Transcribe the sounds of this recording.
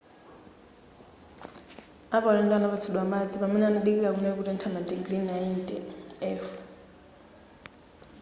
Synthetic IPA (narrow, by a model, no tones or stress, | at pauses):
aɓalɛntʼwanaɓat͡sʰuɗwamad͡ziɓaminanaɗik̬ilak̬unɛk̬urɛntʰamadiɡlinajindʼɛɛːf